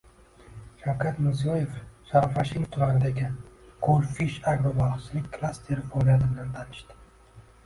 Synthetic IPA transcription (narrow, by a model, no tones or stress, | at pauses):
ʃawkʰʲat̪mɪɾzijɒje̞fʃaɾafaʃɪnt̪ʰʊɾanɪd̪aɡʲɪqʰolfiʃaɡɾobalˠχt͡ʃʰɪlɪkʲkʰːlˠast̪ʰe̞ɾɪfolijat̪ɪbɪnant̪ʰanɪʃt̪ɪ̥